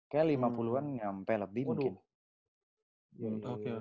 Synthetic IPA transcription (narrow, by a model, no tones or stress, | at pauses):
kajalimapuluanɲampɛləbid | oe